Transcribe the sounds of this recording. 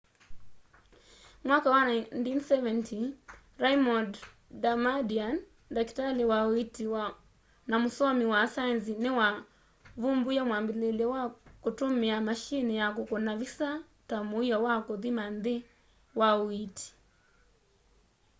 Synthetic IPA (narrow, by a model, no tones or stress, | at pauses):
mwakawanantinsɛvɛnti | ɾaimɔd | damadian | dakitalɛwawitiwa | namusɔmiwasanzinewa | vumbujamwambilelɛwakutumiamaʃinijakukɔnavisa | tamuijɔwakoðimanðe | wauiti̥